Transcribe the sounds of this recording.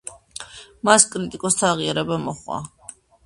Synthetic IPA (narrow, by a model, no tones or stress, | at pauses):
maskʼɾit̪ʼikʼɔst̪ʰaːʁiaɾɛbamɔχwa̰